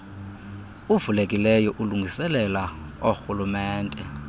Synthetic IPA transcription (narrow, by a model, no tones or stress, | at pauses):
uvulekʼilɛjɔʔuluŋʱisɛlɛlaoxulumɛːntʼɛ